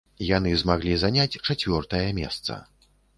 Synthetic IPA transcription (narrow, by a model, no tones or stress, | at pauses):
janɨzmaɣlʲizanʲat͡sʲt͡ʂat͡sʲvʲɔrt̪ɐjɐmʲɛ̰st̪sɐ̰